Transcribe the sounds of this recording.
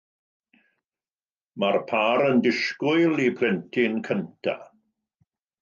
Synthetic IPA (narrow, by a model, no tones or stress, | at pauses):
marpʰaːɾəndɪʃkʊɨlˠipʰlɛntʰɪnkʰəntʰa̰